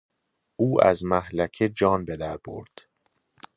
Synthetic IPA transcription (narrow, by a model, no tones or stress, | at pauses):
ʔuːʔæ̰zmæhlæcʰed͡ʒɒːnbe̞d̪æɾbo̰ɾd̪̥